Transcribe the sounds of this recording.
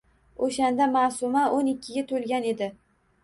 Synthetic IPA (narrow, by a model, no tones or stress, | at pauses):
oʃand̪amaːsʊmaʔonɪkʲʰːɪɡʲat̪ʰolɡʲane̞d̪ɪ